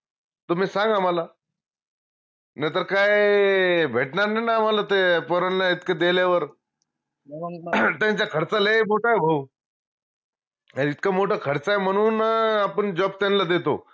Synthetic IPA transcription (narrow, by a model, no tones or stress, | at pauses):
t̪omiːsãŋɡamala | nat̪əɾkaj | bʱeʈnaɾnajnaːmalat̪epəɾəɳlait̪kad̪eljaʋəɾ | t̪jãɲt͡ɕjakʰəɾt͡salemoʈʰaebʱəw | ait̪kamoʈʰakʰəɾt͡saem̤əɽ̃uːnapəɳd͡ʑɔb̚t̪anlad̪et̪o̰